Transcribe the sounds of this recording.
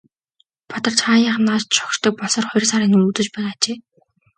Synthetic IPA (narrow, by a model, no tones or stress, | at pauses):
pʰɔt̪ɞ̆rt͡ɕχaːjaːχnːaːt͡ɕt̪t͡ɕʰɔ̥kʃt̪ɞ̆k̚pɔɮsɔːrχɔjr̆ʲsaɾiːŋumut̪ɵ̆t͡ɕpæːnat͡ɕeː